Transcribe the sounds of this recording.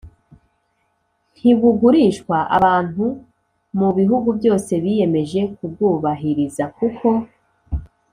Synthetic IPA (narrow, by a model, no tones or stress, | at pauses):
n̥hiβuɡuɾiːʃkwaʔa̰βaːn̥u | muβiɦuɡubjo̞ːse̞βije̞me̞ʒe̞kub̚ɡuːβaɦiɾizakukʰo̞